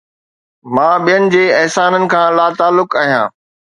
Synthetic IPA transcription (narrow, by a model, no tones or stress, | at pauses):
mãːɓijənɪ̆d͡ʑeːɐɦsaːnənɪ̆kʰãːlaːt̪aːlːʊkaːɦijã̰ː